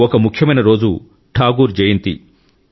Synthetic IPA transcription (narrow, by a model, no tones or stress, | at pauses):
ɔkɐmukʰjɐmɐjnɐɾo̞ːd͡ʒu | ʈʰaːɡuːɾd͡ʒɐjɐnt̪ḭ